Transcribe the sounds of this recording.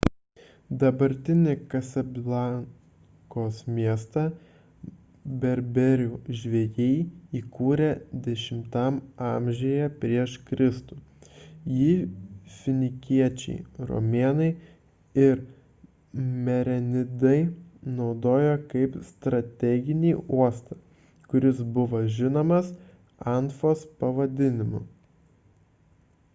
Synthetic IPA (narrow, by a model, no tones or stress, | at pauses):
d̪ɐbɐɾʲt̪ʲɪnʲɪkɐsʲɛblˠɑŋ | koːsmʲiɛst̪ɐ | bʲɛɾʲbʲɛɾʲuːʒʲʋʲejɛɪiːkuːɾʲed̪ʲɛʃʲɪmt̪ɐmɑmʲʒʲeːjɛpʲɾʲiɛʃkɾʲʔɪst̪uːjiːfʲɪnʲɪkʲiɛt͡ʃʲɛ̰ɪɾo̰mʲeːnɐɪ | ɪɾ | mʲɛɾʲɛnʲɪd̪ɐɪnɒʊd̪oːjɛkɐɪpst̪ɾɐt̪ʲɛɡʲɪnʲiːuɔst̪ɐ | kʊɾʲɪsbʊʋoːʒʲɪnoːmɐs | ɑnt̪foːspɐʋɐd̪ʲɪnʲɪmʊ